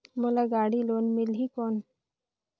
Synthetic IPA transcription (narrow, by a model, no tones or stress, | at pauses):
mʊlaɡaːɽiloːnmɪlɦikɔːn